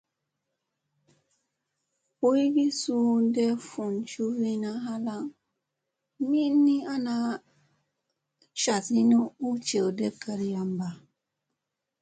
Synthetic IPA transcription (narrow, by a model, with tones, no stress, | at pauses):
pu˦i˦ɡi˦su˦ndɛ˦fu˨nt͡ʃu˦vi˦na˦ɦa˦la˦ŋ | mi˦nːi˦a˦na˦ | ʃa˨si˦nu˦u˦t͡ʃe˨de˦kːa˨ɾi˦ja˦mba˨